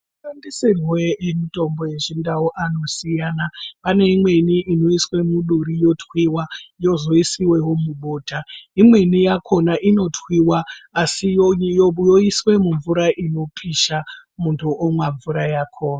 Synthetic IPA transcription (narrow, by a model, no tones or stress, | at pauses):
uʃandisirweemito̞mbo̞je̞ʐindawoʔano̞sijanapane̞imwe̞niʔino̞iswe̞muɗuɾijo̞twiwajo̞zo̞isiwe̞wo̞muɓo̞ːtaimwe̞nijakʰo̞naʔino̞twiwaːsi | joiswe̞muɱvuɾaʔino̞pʰiʃamuntʰuʔomwaɱvuɾajakʰoːna